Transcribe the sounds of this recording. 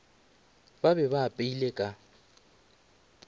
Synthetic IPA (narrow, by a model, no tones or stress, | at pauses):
babɛβaːpʼeilekʼa